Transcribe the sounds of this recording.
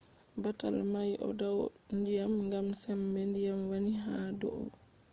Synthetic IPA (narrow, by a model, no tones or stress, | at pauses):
bata̰lmajʔɔ̰daw | ndijamŋɡamsɛmbɛndijamwaniɦaːdɔ̰ʔɔ̰